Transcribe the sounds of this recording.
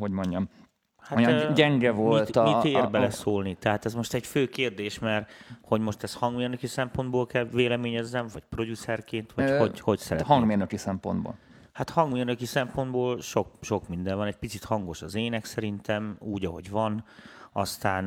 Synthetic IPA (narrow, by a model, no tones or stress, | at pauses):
hoɟmo̞ɲɟɒm | haɟɛŋɡɛvolit̪t̪it̪eːrbɛlɛsoːlnit̪ɛɦaːt̪ɛzmo̞ʃt̪ɛɟføːkeːrd̪eːʃmɛrho̞ɟmo̞ʃt̪ɛst̪hɒŋɡmeːrnøkisɛmpo̞nd̪̚boːlkɛlʋeːlɛmeːɲɛzːɛɱvɒɟ̚pro̞ɟusɛrkeːnt̪ʋɒoɟho̞csɛɾɛthɒŋɡmeːrnøkisɛmpo̰nd̪bo̰ːl | hat̪hɒŋɡmeːrnøkisɛmpo̞nd̪boːlʃo̞k̚ʃo̞kmind̪ɛɱvɒnɛc̚pit̪sit̪hɒŋɡo̞ʃɒzeːnɛksɛɾint̪ɛmuːɟɒɦo̞̰ɟʋɒnɒst̪aːn